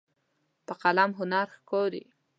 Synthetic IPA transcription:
pəqalamɦʊnaɾxkoɾḭ

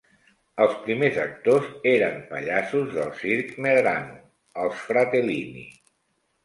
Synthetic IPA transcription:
əlˠspɾimezək̚t̪ozeɾəmpə̰ʎasuzðəlˠsiɾkneðɾanṵ | əlˠsfɾat̪elinḭ

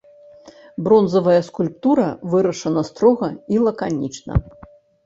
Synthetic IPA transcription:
bɾɔnzɐvɐjɐskulʲp̚t̪uɾɐvɨɾɐʂɐnɐst̪ɾɔɣɐilˠɐkanʲit͡ʂnɐ̰

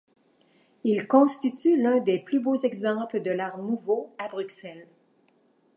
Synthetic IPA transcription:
ilkɔ̃st̪it̪ylœ̃d̪eplybozɛɡzɑ̃pləd̪əlaʁnuvoabʁyksɛl

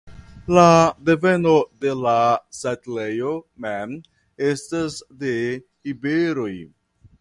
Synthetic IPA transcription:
ladeve̞node̞lasatelejomem | estasde | ibeɾoj

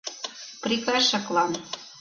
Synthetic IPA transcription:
prikɑʃɑklɑn

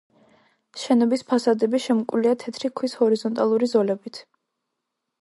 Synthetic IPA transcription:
ʃɛnɔbispʰasad̪ɛbiʃɛmkʼliat̪ʰɛt̪ʰɾikʰwishɔɾizɔnt̪ʼalˠuɾizɔlɛbit̪ʰ

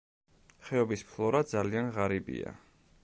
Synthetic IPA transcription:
χɛɔbispʰlˠɔɾad̪zalianʁaɾibḭa̰

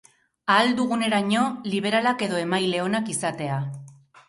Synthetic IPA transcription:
ald̪uɣ̞une̞ɾaɲo̞liβ̞e̞ɾalake̞ðo̞e̞majle̞o̞nakisat̪e̞a

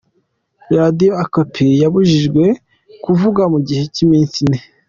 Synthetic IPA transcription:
ɾadijoakopʰijaβuʒiʒɡwe̞ | kuvuɡamuɟihe̞cimiːnsine

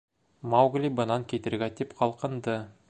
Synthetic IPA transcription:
mawɡlʲibənɑŋkʲʰet̪ɘ̆ɾɡʲæt̪epqʰɑlˠqə̆nd̪ə

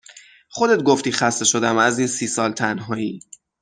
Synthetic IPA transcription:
χod̪e̞t̪̚ɡoft̪iːxæst̪e̞ʃo̞d̪æmæziːnsiːsɒːlt̪ʰænɦɒːiː

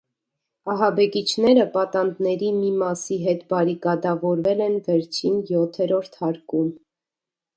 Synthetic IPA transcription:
ɑɦɑbɛkit͡ʃʰn̪ɛɾəpɑt̪ɑnd̪nɛɾimimɑsiɦɛt̪bɑɾikɑd̪ɑvɔɾvɛlɛnvɛɾt͡ʃʰinjɔt̪ʰɛɾɔɾt̪ʰhɑɾkum

